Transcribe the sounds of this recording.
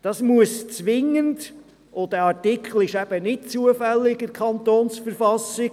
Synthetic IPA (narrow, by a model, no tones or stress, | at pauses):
d̥ɑsmuəst͡sʋɪŋːənd | odɛɑɾtɪkχl̩ɪʃæb̥ənɪtt͡suəfɛlːɪɡɪkʰχɑnt̪oːnsfəɾfɑsɪɡ